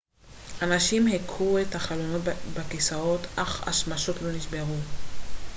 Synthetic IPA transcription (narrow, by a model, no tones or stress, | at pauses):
ʔanaʃimhekʰuethaχalono̞tbakisaot̪ʔaχa̰ʃmaʃotlo̞niʃbeʁu